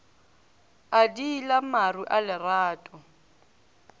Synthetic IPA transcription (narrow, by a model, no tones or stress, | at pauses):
adiːlamaruʔalɪraːtʼɔ